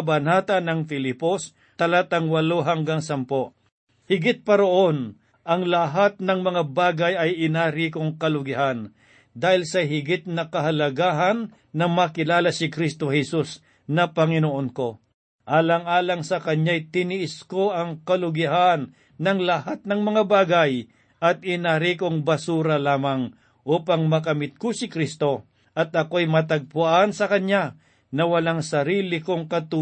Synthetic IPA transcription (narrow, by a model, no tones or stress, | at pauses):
bɐnaːt̪ɐnɐŋfɪlipos | t̪ɐlat̪ɐŋwɐloɦaŋɡaŋsɐmpoʔ | hɪɡɪt̪̚pɐɾoʔo̞n | ʔɐŋlɐɦat̪̚nɐŋmɐŋabaːɡɐjɐjʔɪnaːɾiːkoŋkɐlʊɡɪɦan | d̪aːhɪlsɐɦɪɡɪt̪̚nɐkɐɦɐlɐɡaːɦɐnː | ɐmɐkɪlaːlasɪkɾist̪ohɛsus | nɐpɐŋɪnoʔonko̞ | ʔaːlɐŋaːlɐŋsɐkɐɲajt̪ɪnɪʔɪsko̞ʔɐŋkɐlʊɡɪɦanː | ɐŋlɐhat̪̚nɐŋmɐŋabaːɡɐj | ʔɐt̪̚ɪnaɾikoŋbɐsuːɾɐlaːmɐŋ | ʔuːpɐŋmɐkɐmɪt̪̚kosɪkɾist̪o̞ | ʔɐt̪̚ɐkoɐjmɐt̪ɐɡ̚pʊʔansɐkɐɲa | nɐwɐlaŋsɐɾiːlɪkoŋkɐt̪u